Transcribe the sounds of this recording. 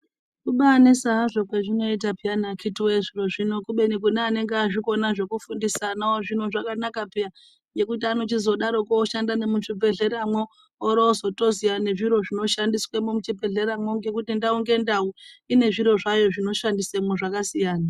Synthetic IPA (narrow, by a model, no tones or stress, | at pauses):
kuɓanesaɦaʐo̞kweʐino̞it̬apianakʰitiweʐiroʐino̞kuɓe̞nik̬uneane̞ŋɡeaʐiko̞naʐe̞kufundisanaoʐino̞ʐakanakapea | je̞kutiano̞tizo̞ɗaɾo̞koːʃandanemuʐib͡ve̞ɮe̞ɾamwoː | ɾozo̞to̞zijane̞ʐiɾo̞ʐino̞ʃandiswemomut͡ʃib͡ve̞ɮe̞ɾamwoŋɡe̞kutindauŋɡe̞ndauine̞ʐiɾo̞ʐajo̞ʐino̞ʃandisemoʐakasijaːna